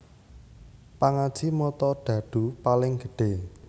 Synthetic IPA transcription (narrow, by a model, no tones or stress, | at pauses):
paŋad̥ʒ̥imɔt̪ɔɖ̥ä̤ɖ̥ṳpalɪŋɡə̤ɖ̥e